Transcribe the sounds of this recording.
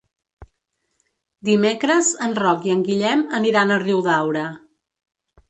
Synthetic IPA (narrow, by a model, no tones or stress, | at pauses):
d̪imekɾəzənrɔkiəŋɡiʎɛməniɾanəriwðawɾə